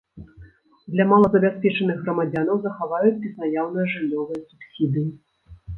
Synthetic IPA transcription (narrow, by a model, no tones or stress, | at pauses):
d̪lʲɐmalˠɐzɐbʲaspʲɛt͡ʂɐnɨɣɣrɐmad͡zʲanɐwzɐxavajut͡sʲbʲiznajawnɨjɐʐɨlʲːɔvɨjɐsupsʲid̪ɨji